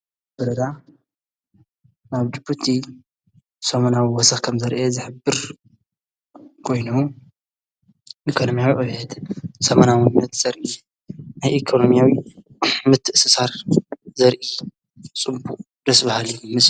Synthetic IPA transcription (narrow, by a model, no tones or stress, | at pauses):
b̥ɐɾɐd̪a | naβd͡ʒɨbut̪ʰi | sɐmɐnawiwɔsɐxkʰɐmzɐɾʔezɨħɨbːɨɾ | kʰo̞jnu | ʔikʰo̞no̞mjawiʔʼojhɛt̪sɐmanawɨnnːɐt̪z̥ɐɾʔi | najʔikʰono̞mijawi | mɨt̪ʰːɨʔsɨsaɾzɐɾʔi | t͡sʼɨbuqʼ | d̪̥ɐsbɐhaliumɨs